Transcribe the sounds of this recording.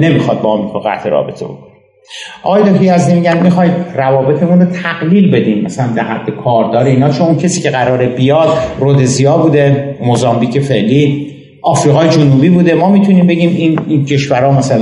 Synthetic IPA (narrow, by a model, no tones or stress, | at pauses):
ne̞mixɒd̪̚bɒɒmikʰoɣæ̰t̪ʰeɾɒ̰ːbe̞̰t̪ʰebo̰kon | ʔɒ̰ɣɒːjed̪okijæzd̪iːmiɟænmixɒːjd̪rævɒːbe̞t̪ʰemunrot̪ʰæɣliːlbe̞d̪iːmmæ̰sælænd̪æɾhæd̪ːe̞kʰɒːɾd̪ɒːɾeiːnɒːt͡ʃʰonuncʰesiːcʰe̞ɣæɾɒːɾebijɒːd̪rod̪ezijɒːbuːd̪e̞mozɒːmbiːcʰefe̞ʔliː | ʔɒːfɾiːɣɒːjed͡ʒonuːbiːbuːd̪e̞mɒːmiːt̪ʰuniːmbe̞ɟiːmincʰe̞ʃvæɾɒːmæsæl